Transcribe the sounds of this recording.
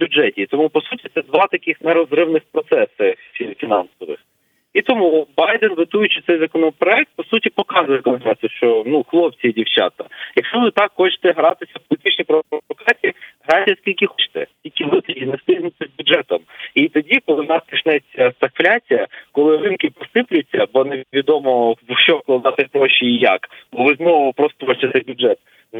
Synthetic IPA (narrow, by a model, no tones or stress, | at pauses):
bʲʊd͡ʒɛtʲit̪ɔmupɔsutʲit̪ɛd̪ʋɑt̪ɐkɪxnɛɾɔzɾɪwnɪxpɾɔt̪sɛsɪsʲifʲinɑnsɔʋɪ̰x | it̪ɔmubɑjd̪ɛnʋɪt̪ujʊt͡ʃɪt̪sɛjzɐkɔnɔpɾɔɛk̚t̪̚pɔsutʲipɔkɑzʊjɛkɔmnɾasʲʃt͡ʃɔnuxlˠɔp̚t͡sʲiidʲiwt͡ʃɑ̰t̪ɐjɐkʃt͡ʃɔʋɪt̪ɑkxɔt͡ʃɪ̥t̪ɛɦɾɑt̪ɪsʲɐwpɔlʲɪt̪ɪt͡ʃnʲijpɾɔɔkɾat͡sʲiiɦɾɑjtʲɔskʲilʲkʲɪxɔt͡ʃɪ̥t̪ɛ̰tʲilʲkʲɪʋɪt̪ɪdʲizʲnɛst̪ɪnɪt̪ʲɪzʲbʲʊdʐɛt̪ɔmit̪ɔdʲikɔlˠɪnɑskʲɐʃnɛt͡sʲːɐsɐkflʲat͡sʲijɐkɔlˠɪrɪnkɪpɔsɪplʲʊt͡sʲːɐbɔneʋʲid̪ɔmɔʃɔwklˠd̪at̪ɪkʲpɾɔʃiijakbɔʋɪznɔʋʊpɾɔst̪ɔʋɔt͡ʃɪt̪sɛjbʲʊdʐɛt̪̚